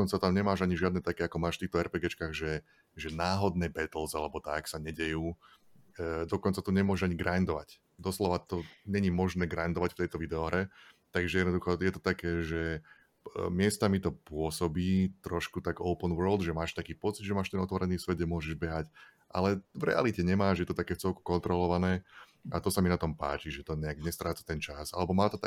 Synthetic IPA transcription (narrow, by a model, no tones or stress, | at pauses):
ɔnt͡sat̪amɲɛmaːʒaɲiʒɪad̪nɛt̪akɛːakɔmaːʃft̪iːxt̪ɔɛɾpɛːɡɛt͡ʃkaːɣʒɛ | ʒɛnaːɦɔd̪nɛbɛt̪l̩ˠzalɛbɔt̪aksaɲɛɟɛjuː | d̪ɔkɔnt͡sat̪ɔɲɛmʊɔʒɛʒaɲiɡɾand̪ɔʋa̰c | d̪ɔslɔʋat̪ɔɲɛɲimɔʒnɛːɡɾajnd̪ɔʋacft̪ɛjt̪ɔʋid̪ɛɔɦɾɛt̪aɡʒɛjɛd̪nɔd̪uxɔjɛt̪ɔt̪akɛːʒɛ | mɪɛst̪amit̪ɔpʊɔsɔbiːt̪ɾɔʃkut̪aɡɔʊpənʋəːld̪ʒɛmaːʃt̪akiːpɔt͡sid̪ʒɛmaːʃt̪ɛnɔt̪ʋɔɾɛniːsʋɛd̪ɟɛmʊɔʒɛʒbɛɦac | ʔa̰lɛvɾɛ̰a̰licɛɲɛmaːʒjɛt̪ɔt̪akɛːft͡sɛlku̥kɔnt̪ɾɔlɔʋanɛː | at̪ɔsaminat̪ɔmpa̰ːt͡ʃiʒɛt̪ɔɲɛaɡɲɛst̪ɾaːt͡sḁt̪ɛnt͡ʃasa̰lɛbɔmaːt̪ɔt̪a